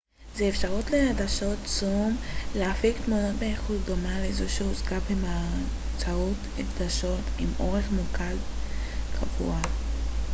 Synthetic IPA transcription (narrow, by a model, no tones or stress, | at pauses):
zeefʃaʁut̪lehadaʃo̞tt͡sumleafikt̪munot̪beeχutdo̞malezoʃeozkabema | t͡saut | efd̪aʃo̞timʔo̞ʁe̞χmukad | kʰa̰vṵa